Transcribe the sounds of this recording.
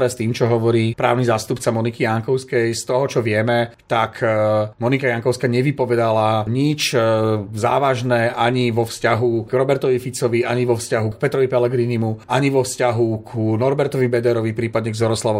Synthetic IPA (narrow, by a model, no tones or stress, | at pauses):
ɾɛst̪iːmt͡ʃɔɦɔʋɔɾiːpɾa̰ːʊnizaːst̪upt͡samɔnikijaŋkɔʊskɛjst̪ɔɦɔt͡ʃɔʋɪɛmɛt̪akʰmɔnikajaŋkɔʊskaɲɛʋipɔʋɛd̪alaɲit͡ʃ | za̰ːʋaʒnɛʔaɲiʋɔfscaɦukɾɔbɛɾt̪ɔʋifit͡sɔʋiaɲiʋɔfscaɦuk̚pɛt̪ɾɔʋipɛlɛɡɾiːnimuʔaɲiʋɔfscaɦukʰunɔɾbɛɾt̪ɔʋibɛd̪ɛɾɔʋipɾiːpad̪ɲɛɡzɔɾɔslaʋɔ